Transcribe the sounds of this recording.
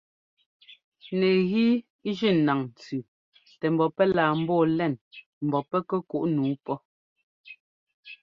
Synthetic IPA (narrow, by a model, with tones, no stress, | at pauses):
nɛ˨ɣi˦ | ʒi˦˨na˨ŋn̩˨t͡sʉ˨ | tɛ˨m̩˨bɔ˨pɛ˦laː˨m̩˦bɔː˦˨lɛ˦˨n | m̩˨bɔ˨pɛ˦kɛ˦ku˦ʔnuː˨˦pɔ˦